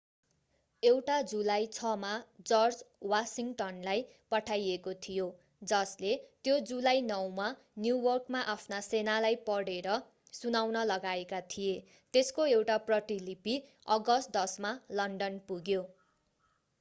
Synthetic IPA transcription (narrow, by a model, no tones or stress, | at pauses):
ewʈad͡zulajt͡sʰʌmad͡zʌrd͡zwasiŋʈʌnlaj | pʌʈʰajekot̪ʰijo | d͡zʌslet̪jod͡zulajnʌwma | njuwʌrkmaʔapʰnasenalajpʌɽeɾʌ | sunawnʌlʌɡaekat̪ʰije | t̪eskoewʈaprʌʈilipi | ʌɡʌst̪̚d̪ʌsmalʌɳɖʌnpuɡjo